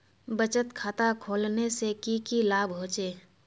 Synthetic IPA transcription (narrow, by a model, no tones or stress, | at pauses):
bət͡ʃət̪kʰaːt̪akʰoːlnesekikilaːbɦoːt͡ʃeː